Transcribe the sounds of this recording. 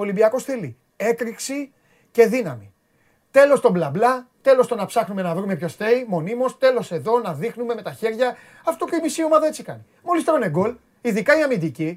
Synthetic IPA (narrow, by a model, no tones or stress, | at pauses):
olibiɐko̞sθeli | e̞kɾiksi | ce̞ðinɐmi | t̪e̞lo̞st̪o̞mblɐblɐt̪e̞lo̞st̪onɐpsɐxnume̞nɐvɾume̞pço̞sθe̞imo̞nimo̞st̪e̞lo̞se̞ðo̞nɐðixnume̞me̞t̪ɐçe̞ɾʝɐ | ɐft̪o̞puimisio̞mɐðɐe̞t͡sikɐni | mo̞list̪eɾo̞ne̞ɡo̞l | iðikɐiɐmind̪ici